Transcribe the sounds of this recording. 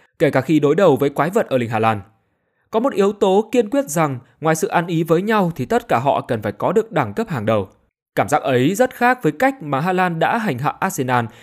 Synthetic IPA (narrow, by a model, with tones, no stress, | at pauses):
ke˧˩kaː˧˩xi˧ɗo˨˦jɗə˨˩wvəː˨˦jkwaː˨˦jvə˨˩t̚ʔəː˧˩lï˧ŋ̟ɦaː˧laː˧n | kɔ˨˦mo˨˩t̚ʔi˨˦əwt̪o˨˦ki˧ənkwi˦˥ət̚za˨˩ŋ | ŋwaː˨˩jsɨ̰˧˨ʔaː˧nʔi˨˦vəː˨˦jɲa˧wt̪ʰi˨˩t̪ə˦˥t̚kaː˧˩ɦɔ̰˧˨kə˨˩nfaː˧˩jkɔ˨˦ɗɨ˨˩ək̚ɗaː˧˩ŋkə˦˥p̚haː˨˩ŋɗə˨˩w | kaː˧˩mzaː˦˥k̚ʔə˨˦jzə˦˥t̚xaː˦˥k̚vəː˨˦jka˦˥jk̟̚maː˨˩ɦaː˧laː˧nɗa̰ː˧˥ɦa˨˩jŋ̟ɦa̰ː˧˨ʔaː˦˧t̚se˧naː˧n